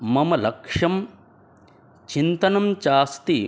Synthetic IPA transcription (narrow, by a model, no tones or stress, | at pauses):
mɐmɐlɐkʂɐm | t͡ʃint̪ɐnɐmt͡ʃaːst̪i